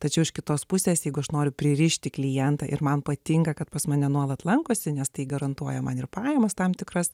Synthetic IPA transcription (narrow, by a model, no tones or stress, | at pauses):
t̪ɐt͡ʃʲɛʊɪʃkʲɪt̪oːspʊsʲeːsjɛɪɡʊɐʃnoːɾʲʊpʲɾʲɪɾʲɪʃʲt̪ʲɪklʲɪjɛnt̪ɐʔɪ̰ɾmɐnpɐt̪ʲɪŋkɐkɐt̪pɐsmɐːnʲɛnuɔlˠɐt̪lˠɐŋkoːsʲɪnʲɛst̪ɐɪɡɐɾɐnt̪uɔjɛmɐnɪrpɑːjɛmɐst̪ɑmt̪ʲɪkrɐs